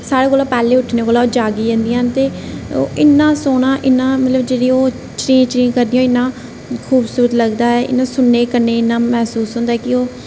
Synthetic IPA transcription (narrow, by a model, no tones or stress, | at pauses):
saːɽeːkoːlaːpɛːleːʊʈʰnẽːkoːlaːoːd͡ʒaːɡiːd͡ʒẽːnd̪ijaːnt̪eːo̰ːʔɪnːãːsoːɽãːʔɪnːãːmət̪ləbd͡ʒeːɽiːoː | t͡ʃɾĩːt͡ʃɾĩːŋkəɾd̪ijoːɪnːãː | kʰuːbsuːɾət̪ləɡd̪aːɛːɪ̰nːãːsʊnːeːkəɾneːɪnːãːmɛːsuːsɦʊ̃ːnd̪aːɛːkɪoː